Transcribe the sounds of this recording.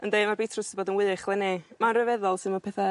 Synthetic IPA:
əndejmarbejtʰrʊsiboːdənwɪðɨχlˠɛnɪmanrəvɛðɔlˠsɪnməpʰɛːθa

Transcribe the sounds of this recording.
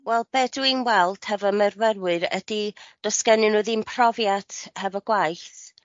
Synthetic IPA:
wɛlˠb̥ɛduinwɛlˠd̥hɛvɔmərvɛɾwɨɾɛ̰d̥id̥ɔskɛnɨnuðimpʰr̥ɔvjatʰhɛvɔɡ̥wajθ

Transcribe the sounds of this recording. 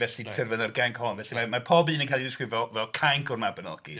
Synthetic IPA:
vɛɬitʰɪrvənərɡaŋkʰhɔnvɛɬimamarpʰɔbiːnənkʰalˠidɪskrɪvɔvɛlˠkʰajŋkʰɔrmabənɔ̰ɡ̥ḭ

